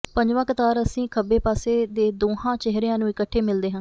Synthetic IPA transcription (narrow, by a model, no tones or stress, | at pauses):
pəɲd͡ʒʋãːkət̪aːɾəsĩːkʰəbeːpaːseːd̪eːd̪oːɦãːt͡ʃɪɦɾejãːnũːɪkəʈʰːeːmɪld̪eːɦə̃ːn